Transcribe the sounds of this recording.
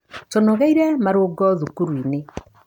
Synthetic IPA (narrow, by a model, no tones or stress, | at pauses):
tɔnɔɣɛiɾɛmaɾoɡɔðukuɾwine